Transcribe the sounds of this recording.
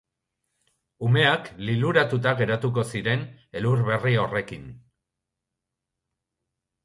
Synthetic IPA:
ume̞akliluɾat̪ut̪aɣe̞ɾat̪uk̬o̞siɾe̞neluɾβe̞rio̞re̞kin

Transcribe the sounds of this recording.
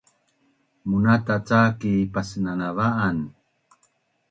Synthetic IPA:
munatat͡sakipasənanavaʔan

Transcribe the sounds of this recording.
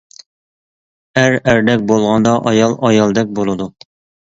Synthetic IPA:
æɾæɾd̪ɛk̚ʲbolˠʁɑnd̪ɑʔɑjɑlˠɑjɑlˠd̪ɛk̚ʲbolˠɨd̪u

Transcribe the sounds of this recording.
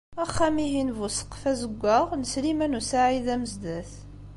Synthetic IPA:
æχːæmiɦinvusə̥qfæzəɡʷːəʁnəslimænusaʕiðæməzd̪æθ

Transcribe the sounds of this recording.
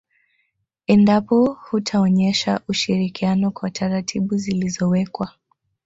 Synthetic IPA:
ɛndapɔhutʰaɔɲɛʃaʔuʃiɾikianɔkwatʰaɾatʰiɓuzilizɔwɛkwa

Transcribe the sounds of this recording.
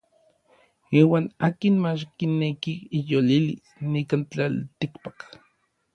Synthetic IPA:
iːwaːnaːkinmat͡ʃkinːekiijolilḭsnikant͡ɬalt̪ikpak

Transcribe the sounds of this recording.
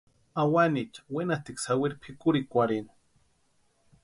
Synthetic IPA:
awanit͡ʃḁwenat̪iksawiɾpʰikuɾikʷaɾin

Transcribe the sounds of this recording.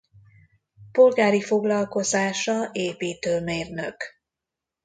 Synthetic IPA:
po̞lɡaːɾifo̞ɡlɒlko̞zaːʃɒeːpiːt̪øːmeːrnøk

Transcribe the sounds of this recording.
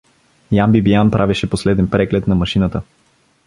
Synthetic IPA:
jambibianpɾʔavɛʃɛposlɛd̪ɛnpɾɛɡlɛt̪nɐmɐʃinət̪ə

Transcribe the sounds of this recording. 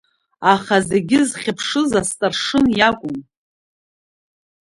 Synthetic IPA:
aχaze̞ɡʲɪzχʲɪpʰʂɨzastʼarʂɨnjakʷʼʊn

